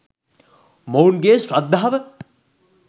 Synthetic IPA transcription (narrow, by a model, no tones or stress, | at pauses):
mounɡeːsɾɐd̪ːaɦɐʋə